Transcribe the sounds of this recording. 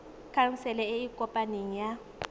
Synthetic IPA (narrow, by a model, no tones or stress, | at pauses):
kʰaŋ̩sɛlɛɪikʼɔpʼaneŋ̩ja